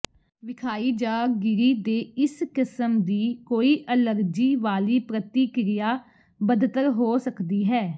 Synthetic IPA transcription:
ʋɪkʰaːiːd͡ʒaːɡɪɾiːd̪eːɪskɪsəmd̪iːkoːiːʔələɾd͡ʒiːʋaːliːpɾət̪iːkɾɪjaː | bəd̪t̪əɾɦoːsəkd̪iːɦɛː

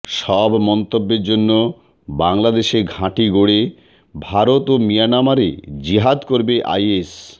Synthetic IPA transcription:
ʃɔbmɔnt̪obːeɾd͡ʑonːo | baŋlad̪eʃeɡʱãʈiɡoɽe | bʱaɾot̪omijanamaɾḛd͡ʑiɦad̪koɾbeʔa̰jes

